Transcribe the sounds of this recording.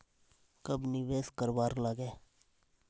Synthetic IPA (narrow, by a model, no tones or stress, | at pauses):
kəbnɪʋeːskəɾbaːɾləɡeː